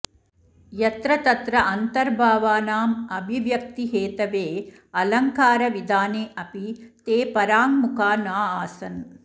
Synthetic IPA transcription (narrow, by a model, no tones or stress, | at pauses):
jɐt̪ɾɐt̪ɐt̪ɾɐʔɐnt̪ɐɾbʱaːʋaːnaːmɐbʱiʋjɐk̚t̪iɦeːt̪ɐʋeː | ɐlɐŋkaːɾɐʋid̪aːneːʔɐpit̪eːpɐɾaːŋmukaːnaːaːsɐn